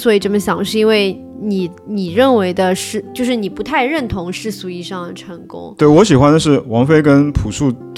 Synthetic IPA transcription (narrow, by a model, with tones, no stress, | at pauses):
swɔ˧˥i˨˩ʈ͡ʂə˥˩mə˨˩ɕjɑ˨˩ŋʂɻ̩˥˧i˥nwe˥˩ɪ | ni˨˩˦ | ni˨˩ɻə˥˩nwe˧˥ɪd̪ə˧ʂɻ̩˥˧t͡ɕjo˥˧ʊʂɻ̩˥˩ni˨˩pu˧˥t̪ʰa˥˧ɪɻə˥˩nt̪ʰʊ˧˥ŋʂɻ̩˥˩su˧˥i˥˩ʂɑ˥˩ŋd̪ə˩ʈ͡ʂʰə˧˥ŋkʊ̰˥ŋt̪we˥˩wɔ˧˥ɕi˨˩xwa˦nd̪ə˨˧ʂɻ̩˥˩wɑ˧˥ŋfe˥ɪkə˥npʰu˨˩ʂu˥˩